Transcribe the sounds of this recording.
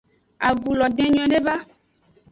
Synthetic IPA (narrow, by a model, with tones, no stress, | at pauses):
a˨ɡu˨lɔ˨d̪ɛ̃˨ɲɔ̃˨ɛ̃˨˦ɖe˦va˦